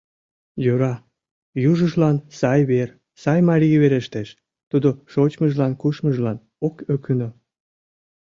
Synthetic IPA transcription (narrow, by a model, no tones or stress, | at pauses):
jøɾɑ | juʒəʒlɑnsɑjβer | sɑjmɑɾʲiβeɾeʃt̪eʃ | t̪ud̪oʃot͡ɕməʒlɑnkuʃməʒlɑn | okøkyno